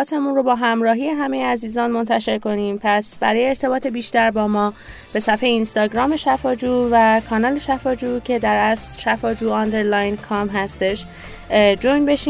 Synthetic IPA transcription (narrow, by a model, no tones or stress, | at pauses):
t̪ʰemunro̞bɒːɦæmɾɒːɦije̞ɦæme̞jeæziːzɒːnmo̞nt̪ʰæʃe̞ɾko̞niːmpʰæsbæɾɒːjeːɾt̪ʰe̞bɒːt̪ʰe̞biːʃt̪æɾbɒːmɒː | b̥e̞sæfejinst̪ɒːɟɾɒːme̞ʃæfɒːd͡ʒuːvækʰɒːnɒːle̞ʃæfɒːd͡ʒuːcʰe̞d̪æɾæslʃæfɒːd͡ʒuːɒnd̪eɾlɒjnkʰɒːmɦæst̪eʃ | d͡ʒojnbe̞ʃi